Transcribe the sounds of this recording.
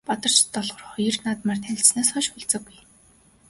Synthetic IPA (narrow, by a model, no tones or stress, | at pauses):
pat̪ə̆r̥t͡ɕt̪ːɔɮʁ̥ɞ̆rχɔjə̆rnaːt̪maːrt̪ʰæɪ̆ɬsnaːsχɔʃxʊɮt͡sə̆ɡuj